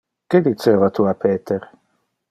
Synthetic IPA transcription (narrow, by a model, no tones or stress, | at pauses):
ked̪it͡ʃeːvat̪uapʰeːt̪eɾ